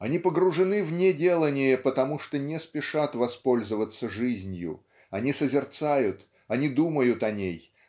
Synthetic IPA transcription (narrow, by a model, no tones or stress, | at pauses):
ɐnʲipəɡɾʊʐɨnɨvnʲedʲe̞lˠənʲɪjəpət̪ɐmuʂt̪onʲɪspʲɪʂat̪vɐspo̞lʲzəvət̪sːəʐɨzʲnʲjʊ̰ | ɐnʲisəzʲɪrt̪sajʊt̪ | ɐnʲid̪uməjʊt̪ɐnʲej